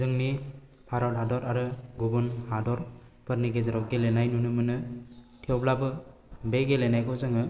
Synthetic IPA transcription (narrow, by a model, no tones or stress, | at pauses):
zɯŋni | pʰaɾɔwtɦadɔɾaɾɯɡubunhadɔɾ | pɯɾniɡezaɾɔwɡelenajnunumɯnɯ | tʰiɔblabɯ | beɡelenajkʰɔzɯŋɯ